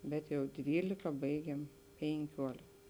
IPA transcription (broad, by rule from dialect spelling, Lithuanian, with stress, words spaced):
ˈbʲɛt jɛʊ ˈdʲʋʲiːlʲɪkɐ ˈbɐɪɡʲeːm pʲeːŋʲˈkʲuɔlʲɪk